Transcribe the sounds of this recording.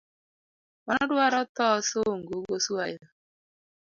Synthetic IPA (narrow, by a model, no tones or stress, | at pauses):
ɔnɔdʊaɾɔtɔsoŋ̩ɡoɡosuaɪa